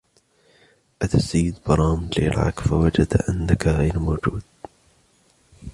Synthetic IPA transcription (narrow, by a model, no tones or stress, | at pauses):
ʔat̪asajːɪd̪bɑɾˤɑːmd͡ʒlḛːlʕa̰kfawad͡ʒad̪ʔanːakaɣajɾmoːd͡ʒuːd̪̥̚